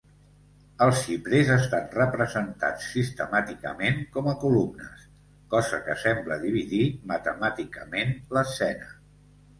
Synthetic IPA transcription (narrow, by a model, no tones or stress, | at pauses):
əlˠsiβɾezəst̪anrəpɾəzənt̪a̰t͡sːist̪əmat̪ikə̰meŋkɔməkulumnə̰s | kɔzə̰kə̰sɛmbləðiβ̞iðimət̪əmat̪ikəmenləsɛnə